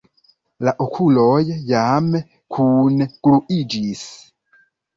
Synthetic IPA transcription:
laʔokʰulɔjɛjamɛ | kʰunɛkuʔid͡ʒisi̥

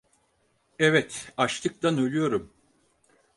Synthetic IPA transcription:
ɛvɛt̪at͡ʃt̪ɯk̚t̪anø̞lʲyjo̞ɾum

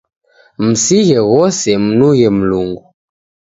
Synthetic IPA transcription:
m̩siɣɛɣɔsɛm̩nuɣɛm̩luŋɡu

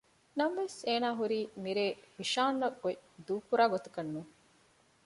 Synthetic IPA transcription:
nɐmʋeseːnaːɦuɾiːmiɾeːfiʃaːnːɐɡoid̪uːkuɾaːɡot̪u̥kɐnːuː

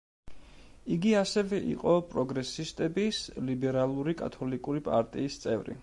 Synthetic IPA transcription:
iɡiasɛvɛʔḭqʼɔpʼɾɔɡɾɛsist̪ʼɛbislibɛɾalˠuɾikʼa̰t̪ʰɔlikʼuɾipʼa̰ɾt̪ʼiːst̪sʼɛ̰vɾḭ

